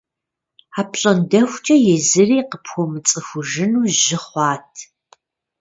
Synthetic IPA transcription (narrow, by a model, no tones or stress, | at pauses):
aːpɬʼɐndɐxʷt͡ʃʼɐjɛzɨriːqəpxʷomɨt͡sʼɨxʷʊʒɪnuːʒɪχʷɑːtʰ